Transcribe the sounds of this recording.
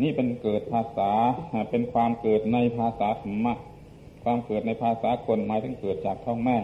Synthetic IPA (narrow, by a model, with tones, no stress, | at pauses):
niː˥˩pe˧nkɤː˨˩t̪̚pʰaː˧saː˩˦˧pe˧nkʰwaː˧mkɤː˨˩t̪̚na˧jpʰaː˧saː˩˦kʰa˩˦mːa˧˥ʔ | kʰwaː˧mkɤː˨˩t̪̚na˧jpʰaː˧saː˩˦kʰo˧nmaː˨˦jt̪ʰɯ˩˦ŋkɤː˨˩t̪̚t͡ɕaː˨˩k̚t̪ʰɔ˥˩ŋmɛː˥˩